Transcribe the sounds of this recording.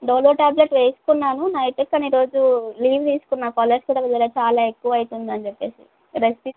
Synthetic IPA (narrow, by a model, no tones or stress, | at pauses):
ɖoːloːʈaːbleʈʋeːsu̥kunːaːnunɐjʈekːɐniɾo̞ːd͡ʒuliːʋt̪iːsu̥kunːakɔːlːeɾskuːɽɐːʋid̪ɐlaːt͡ʃaːlaːekːuʋɐːjit̪und̪iɐnd͡ʒepːe̞ːsḭ | ɾest̪i